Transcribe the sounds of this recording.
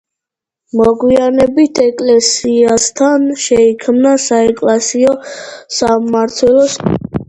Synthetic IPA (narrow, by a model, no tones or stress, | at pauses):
mɔɡwianɛbit̪ʰɛkʼlɛsiast̪ʰanʃɛikʰmnasaɛkʼlasiɔsamaɾt̪ʰwɛlˠɔs